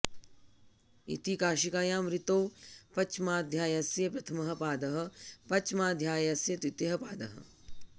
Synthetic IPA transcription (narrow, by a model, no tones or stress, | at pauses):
ḭt̪ikaːʃikaːjaːmɾit̪oːpɐt͡ʃmaːd̪ʱjaːjɐsjɐpɾɐt̪ʰɐmɐɦɐ̆paːd̪ɐɦɐ̆pɐt͡ʃmaːd̪ʱjaːjɐsjɐt̪it̪jɐɦɐpaːd̪ɐ̰ɦɐ̰̆